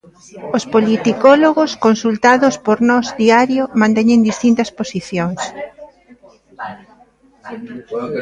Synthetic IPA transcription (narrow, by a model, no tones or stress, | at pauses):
ospolit̪ikɔloɣoskonsult̪aðʊspoɾnɔzðiaɾjʊmãnt̪ɛɲẽŋd̪ist̪int̪ɐsposiθjoŋs